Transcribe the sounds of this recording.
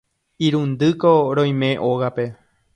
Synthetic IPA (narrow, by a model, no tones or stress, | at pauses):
iɾũnd̪ɨkoɾõj̃mẽ̞ʔoɣape̞